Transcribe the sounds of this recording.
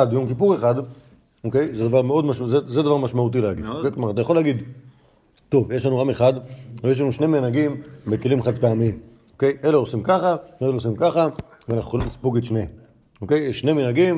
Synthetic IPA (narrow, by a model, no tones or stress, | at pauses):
adjo̞mkipuʁe̞χad̪ | oke̞jzed̪avaʁmeo̞dmaʃzezed̪avaʁmaʃmaut̪̬ileaɡid̪okejkmaʁat̪ajaχo̞leaɡid̪ | t̪o̞vjeʃlanuʁameχad̪vejeʃ̬lanuʃneminaɡimbe̞kelimχad̪peamim | oke̞jʔe̞leo̞simkaχaveeleos̬imkaχa | veanaχuxolimlispuɡed̪ʃne | oke̞jjeʃːneminaɡim